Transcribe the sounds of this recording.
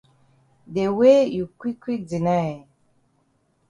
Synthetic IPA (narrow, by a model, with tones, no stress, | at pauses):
de˨we˦ju˨kwi˦kːwi˦k̚di˨na˦˨